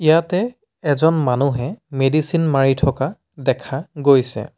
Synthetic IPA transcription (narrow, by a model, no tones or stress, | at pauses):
ijatɛ | ɛzɔnmanuɦɛmedisinmaɹitʰɔka | dɛkʰaɡojsɛ̰